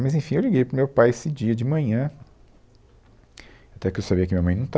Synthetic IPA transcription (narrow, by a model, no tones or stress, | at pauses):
mɐzẽfĩewliɡejpɾʊmewpajesɪd͡ʒiɐd͡ʒɪmɐ̃ɲɐ̃ | ewat̪ɛpkɪewsabiɐkɪmĩɲɐmɐ̃j̃nɐ̃w̃t̪